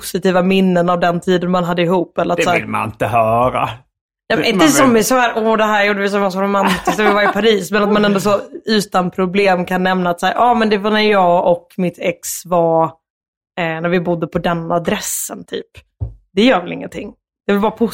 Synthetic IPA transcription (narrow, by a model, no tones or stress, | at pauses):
pʊsɪt̪iːvamɪnːənavd̪ɛnt̪ʰiːd̪ənmanɦad̪ːəɪhuːpːɛlːəɾat̪sæːlma̰nɪ̰nt̪əhœːɾa̰ | nɛmɪnəssɔmɪsɔhæːɾʔɔd̪ɛɦæːɾjuːɖəvɪsɔmmasaɾʊmant̪ɪsk̪vɪvaɾɪpʰaɾiːsmɛnat̪̚manɛnd̪ɔsɔʉ̟ːt̪anpʰɾʊbleːmkʰanːɛmnaːt̪sæːɾʔɑːmɛnd̪ɛvɑnæɾjɑːɡɔkmɪt̪ʰɛksvɑ | næɾvɪbʊd̪ːəpʰɔd̪ɛnːad̪ɾɛsːənt̪ʰy̰ːp | d̪̥ɛjœːɾvɛlɪ̰ŋːənt̪ʰɪ̰ŋː | d̪̥ɛvɪlbɑːɾapʰʊ